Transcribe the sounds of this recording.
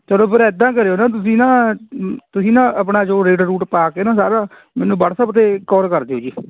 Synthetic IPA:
t͡ʃəloːpʰɪɾɛd̪ãːk̬əɾeːoːnãːt̪̬ʊs̬ĩːnãː | t̪ʊsĩːnãːəpɳaːd͡ʒoːɾeːʈɾuːʈpaːkeːnãːsaːɾaː | mɛːnũːbəɽsəpt̪̬eːkɔːɾkəɾd̪eːɦoːd͡ʒiː

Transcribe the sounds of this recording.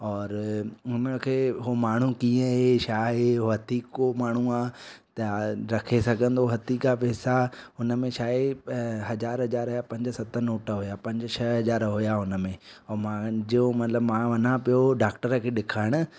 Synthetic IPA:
ɔːɾʊnəkʰeːɦomaːɳ̤ũkĩːə̃ɦeʃaːɦeɦoɦɐd̪iːkomaːɳ̤uaːt̪ɐɾɐkʰesɐɡʱə̃nd̪oɦɐd̪ikapɛːsaɦʊnə̆mẽʃaːɦeɦɐzaːɾɦɐzaːɾɦʊjapɐ̃ɲd͡ʑsɐt̪ʰənoːʈəɦʊjapɐ̃ɲd͡ʑt͡ɕʰɐɦɐzaːɾɦʊjaɦʊnə̆mẽɔːmãd͡ʑiomɐt̪ləbmãʋɐnãpijoɖaːkʈəɾəkʰeːɗɪkʰaːɪɽ̃ʊ̆

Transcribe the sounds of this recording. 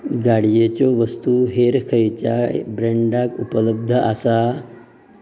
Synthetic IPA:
ɡaɽjet͡ɕɔʋəst̪uɦeɾkʰəjt͡ɕjabɾeɳɖakupələb̚d̪ʱəasa

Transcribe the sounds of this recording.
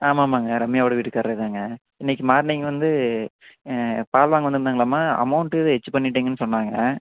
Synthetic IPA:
aːmaːmaːŋɡɐɾɐmːɪjaːʋoɽɐʋiːʈːɯkːɐːɾɾɐðaːŋɡɐ | ɪnːɛk̬ʲːimaːɾniːŋɡɐʋɐnd̪ɯ | paːlʋaːŋɡɐnd̪ɯnd̪aːŋɡɐlaːmaːɐ̰mɐʊɳʈɯðɯɛt͡ʃːɯpɐɳːɪʈːiːŋɡɐnːɯsɔnːaːŋɡɐ

